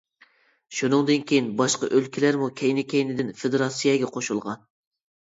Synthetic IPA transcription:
ʃunɨŋd̪ɨnkʲʰejinbɑʃqɑ̰ʔølkʲʰilæɾmukʲʰɛjnɪkʲʰɛjnɪd̪ɪnfed̪eɾɑsɨjɑɡʲɛqʰoʃulˠʁɑn

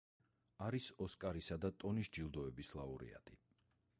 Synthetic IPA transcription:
aɾisɔskʼaɾisad̪at̪ʼɔnisd͡ʒilˠd̪ɔɛbislˠauɾḭa̰t̪ʼi

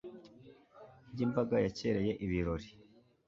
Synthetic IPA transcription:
jimbaɡajace̞ɾe̞je̞ʔiβiɾo̞ɾi

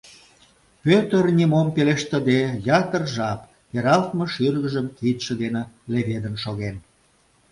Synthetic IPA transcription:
pøt̪ərnʲimompeleʃt̪ə̆d̪ejɑt̪ərʒɑp | peɾɑlt̪mĕʃyrɣə̆ʒəmkit̪ʃə̆d̪eneleβed̪ənʃoɣen

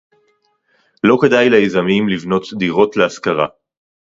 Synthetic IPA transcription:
lo̞kedajleezamimlivno̞t̪d̪iʁo̞tleaskaʁa̰

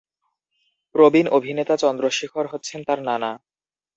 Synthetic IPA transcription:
pɾobinobʱinet̪at͡ɕɔnd̪ɾoʃikʰoɾɦotːɕʰent̪aɾnana

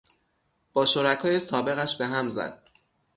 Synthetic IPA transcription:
b̥ɒːʃoɾækʰɒːje̞sɒːbe̞ɣæʃbe̞ɦæmzæ̰d̪̥̚

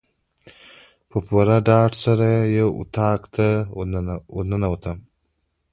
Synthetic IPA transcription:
pəpuɾaɖɑːʈsaɾajawṵt̪ʰɑːkt̪a | wunənawət̪am

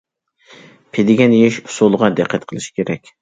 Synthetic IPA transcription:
pʰed̪ɪɡʲɛnjeʃʊ̥solˠʁɑd̪æqʰːæt̪qʰəlˠɨʃi̥kʲʰeɾɛkʲ

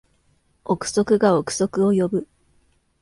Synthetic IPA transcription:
okɯ̟̥so̞kɯ̟ɡaokɯ̟̥so̞kɯ̟o̞jobɯ̟

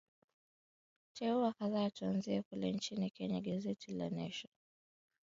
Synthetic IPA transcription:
tʰɛuakaðaːtuanziɛkulɛnt͡ʃinikɛɲaɠazɛtʰila̰nɛʃɔ

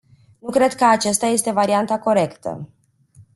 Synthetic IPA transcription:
nukɾe̞d̪kəat͡ʃast̪aje̞st̪e̞vaɾiant̪ako̞ɾe̞kt̪ə̰

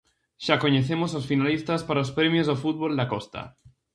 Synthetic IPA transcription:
ʃako̞ɲeθe̞mososfinalist̪aspaɾaospɾemjozðofut̪̚βo̞ld̪akost̪a̰

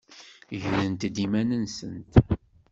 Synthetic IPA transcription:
ʝðənt̪d̪imænənsənt̪

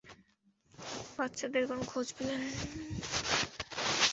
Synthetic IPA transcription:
batːʃʰad̪eɾkonokʰod͡ʑpilen

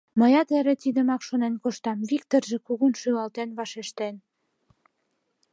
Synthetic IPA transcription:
mə̆jɑt̪eɾĕt̪id̪ə̆mɑkʃonenkoʃt̪ɑmβikt̪orʒĕkuɣunʃylɑlt̪enβɑʃeʃt̪en

